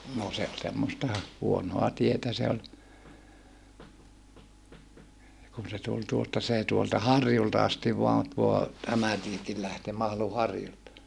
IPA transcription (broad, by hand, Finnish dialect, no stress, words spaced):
no se ol semːostɑ huonoɑ tietæ se olʲ kun se tul tuostɑ seː tuoltɑ hɑrjultɑ ɑstiʋ ʋoɑn tuo tæmæ tiekil læhteː mɑhlu hɑrjultɑ